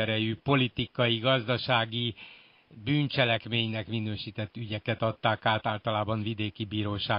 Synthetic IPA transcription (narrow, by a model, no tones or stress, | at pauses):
ɛɾɛjypo̞lit̪ikɒjiɡɒzd̪ɒʃaːɡi | byːnt͡ʃɛlɛkmeːɲnɛkminøːʃit̪ɛt̪ːyɟɛkɛt̪ɒt̪ːaːkaːlt̪aːlt̪ɒlaːbɒɱvid̪eːkibiːɾoːʃaː